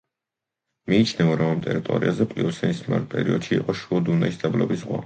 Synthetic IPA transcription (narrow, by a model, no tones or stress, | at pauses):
miːt͡ʃʰnɛvaɾɔmamt̪ʼɛɾit̪ʼɔ̰ɾiazɛpʼliɔsɛnisma̰ɾpʼɛ̰ɾiɔd̪̥ʃiːqʼɔʃuɔd̪unaisd̪ablɔbisʁwa̰